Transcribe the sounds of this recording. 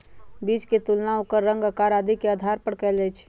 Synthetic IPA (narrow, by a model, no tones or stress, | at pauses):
biːd͡ʒket̪ulnaokəɾːə̃ŋɡəkaɾaːd̪ikeəd̪ʱaɾpəɽkɛːld͡ʒɛjt͡ʃʰ